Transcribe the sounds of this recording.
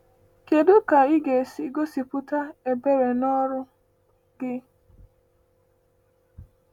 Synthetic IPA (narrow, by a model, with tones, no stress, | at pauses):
ke˨dʊ˦ka˨i˦ɡe˨si˦ɡo˦si˨pʊ˦ta˦e˨be˦ɾe˨nɔ˦ɾʊ˦ | ɡɪ˦